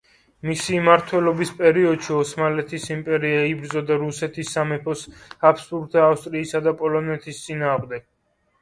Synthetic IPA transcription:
misimaɾt̪ʰwɛlɔbispʼɛɾiɔd̪ʃiɔsmalɛt̪ʰisimpʼɛɾiaibɾd̪zɔd̪aɾusɛt̪ʰisːamɛpʰɔsapst̪ʼuɾt̪ʰaːfst̪ʼɾiːsad̪apʼɔlɔnɛt̪ʰist̪sʼinaːʁmd̪ɛɡ̥̚

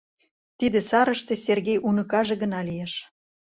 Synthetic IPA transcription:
t̪id̪esɑɾəʃt̪e̽serɣejʔunɤ̆kɑʒĕɣə̆nɑlijeʃ

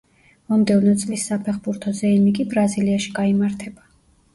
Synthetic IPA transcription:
mɔmd̪ɛvnɔt̪sʼlisːapʰɛχbuɾt̪ʰɔzɛɛmikʼibɾaziliaʃi̥ɡaimaɾt̪ʰɛba

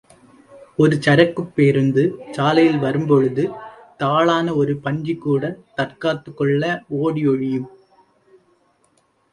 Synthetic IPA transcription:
ɔɾɯt͡ʃɐɾɐkːɯpːeːɾɯnd̪ɯt͡ʃaːlɐjɪlʋɐɾɯmpɔɻɯðɯt̪aːɭaːnɐɔɾɯpɐɲd͡ʒikːuːɽɐt̪ɐrkaːt̪ːɯkːɔɭːɐoːɽɪɔɻɪjɯm

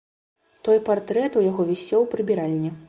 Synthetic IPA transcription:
t̪ɔjpart̪ɾɛt̪ujaɣɔvʲɛsʲɛwpɾɨbʲiɾalʲnʲɛ

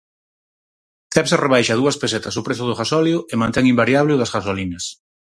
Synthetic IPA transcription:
t̪ɛβsreβajʃɐðuɐspeset̪ɐsʊpɾesʊðʊɣasɔljʊemãnt̪ɛŋimbaɾjaβleʊðɐsɣasolinɐs

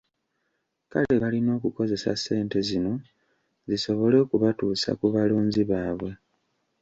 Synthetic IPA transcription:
kaleβalino̞ːkuko̞ze̞sa̰sːe̞ːnte̞zino̞ | ziso̞βo̞le̞ːkuβatuːsa̰kuβaloːnziβaːβwe̞

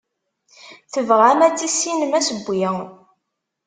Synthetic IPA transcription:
θəvʁæmæt͡sːisinəmæsəbʷːjæ

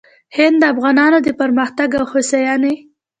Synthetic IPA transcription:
hɪnd̪d̪əafɣɑnɑnod̪əpaɾməxt̪aɡawhosajɑne

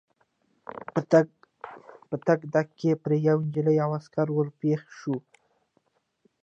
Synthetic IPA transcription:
pət̪aɡd̪akːepɾejawɪnd͡ʒələjawaskaɾwəlpexʃu

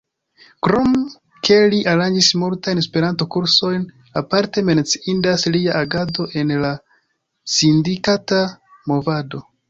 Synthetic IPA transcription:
kɾom | kʰe̞liʔaɾand͡ʒismultajnespe̞ɾanto̞kuɾso̞jn | apaɾte̞me̞nt͡si̥indasliaʔaɡado̞ʔe̞nla | sindikata | mo̞vado̞

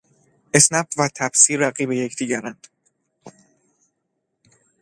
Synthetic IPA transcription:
ʔesnæbvæt̪ʰæbsiːɾæɣiːbe̞jecʰd̪̥iːɟæɾænd̪̥

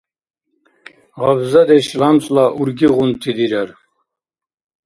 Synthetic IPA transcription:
ʁabzad̪ɛʃlamt͡sʼlaʔuɾɡiʁunt̪ʰid̪iɾaɾ

